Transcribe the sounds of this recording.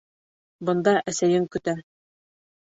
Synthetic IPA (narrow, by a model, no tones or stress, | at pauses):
bɤ̆nd̪ɑʔæsæjɘŋkɵ̆t̪æ